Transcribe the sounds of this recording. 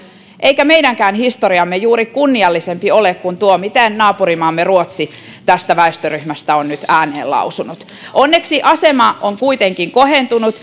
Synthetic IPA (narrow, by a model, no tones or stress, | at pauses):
ʔeijkæmeidæŋkæːnhist̪oɾiɑmːejuːɾikunːiɑlːisempiolekkunt̪uomit̪ennɑːpuɾimɑːmːeruot̪si | t̪æst̪æʋæest̪øryhmæst̪æonnyt̪æːnḛːllɑ̰usunut̪ | ʔonːeksiʔɑse̞mɑoŋkuit̪eŋkiŋko̞he̞nt̪unut̪